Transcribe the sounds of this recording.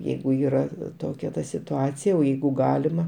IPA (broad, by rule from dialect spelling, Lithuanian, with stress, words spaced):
ˈjɛɪɡʊ ˈiːrɐ ˈtoːkʲɛ ˈtɐ sʲɪtʊˈɑːt͡sʲɪjɛ oː ˈjɛɪɡʊ ˈɡɑːlʲɪmɐ